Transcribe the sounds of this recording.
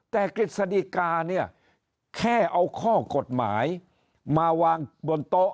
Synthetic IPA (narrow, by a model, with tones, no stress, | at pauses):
t̪ɛː˨˩kɾi˨˩t̪̚sa˧di˧kaː˧ni˥˩ɐ | kʰɛː˥˩ʔa˧wkʰɔː˥˩ko˨˩t̪̚ma̰ː˩˦j | maː˧waː˧ŋbo˧nt̪o˦˥ʔ